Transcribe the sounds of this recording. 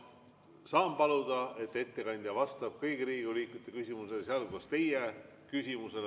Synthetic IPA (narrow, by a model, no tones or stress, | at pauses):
sɑːmpɑlud̪̥ɑe̞t̪ːe̞t̪ːe̞kɑnʲd̪̥jɑvɑst̪ɑb̥̚kɤjɡ̥iɾiːɡiuliːkːˑut̪ːˑe̞kysʲimuseleseɑlkuɑst̪e̞je | kysʲimuse̞l